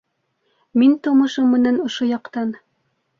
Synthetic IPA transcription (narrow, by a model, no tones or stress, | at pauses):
mint̪ŏmɤ̆ʃɤmːɘ̆nænŏʃojɑqt̪ɑn